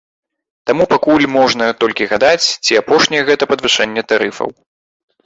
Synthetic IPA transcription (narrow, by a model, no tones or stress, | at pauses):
t̪amupakulʲmɔʐnɐt̪ɔlʲkʲiɣad̪at͡sʲt͡sʲiapɔʂnʲɛjɛɣɛt̪ɐpɐd̪vɨʂɛnʲːɛt̪aɾɨfɐ̰w